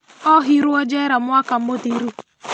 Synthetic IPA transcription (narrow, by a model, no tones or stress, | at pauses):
ɔɦiɾʊɔd͡ʒeɾamʊakam̩motiɾu